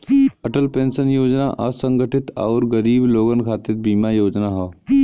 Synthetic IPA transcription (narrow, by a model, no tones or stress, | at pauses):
ɐʈəlpẽːnsənjoːd͡ʒna̰ʔɐsə̃ŋɡəʈɪt̪aːɾɡəɾiːbloːɡənkʰaːt̪ɪɾbiːmajoːd͡ʒnaɦoː